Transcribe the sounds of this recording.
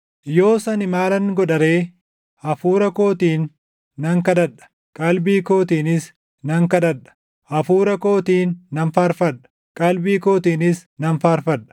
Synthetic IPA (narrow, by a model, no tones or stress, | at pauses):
jo̞ːsɐnɪmaːlɐnɪɡɔᶑɐɾe̞ː | ʔɐfuːɾɐko̞ːt̪iːnː | ɐŋkɐᶑ̪ɐᶑɐ̥ | kʼɐlbiːko̞ːt̪iːnɪs | nɐŋkɐᶑ̪ɐᶑɐ̥ | ʔɐfuːɾɐko̞ːt̪iːnːɐnfaːɾfɐᶑɐ̥ | kʼɐlbiːko̞ːt̪iːnɪsnɐnfaːɾfɐᶑɐ̥